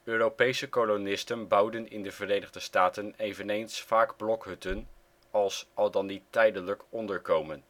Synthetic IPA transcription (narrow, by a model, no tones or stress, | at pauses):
øːrowpejsəkolonɪstənbɑwdənɪ̰ndəvərejnəʁdəstaːtənejvənejnsfaːɡblɔkɦɵtən | ɑlˠsɑlˠdɑnditɛjdənləkɔndəɹkowmən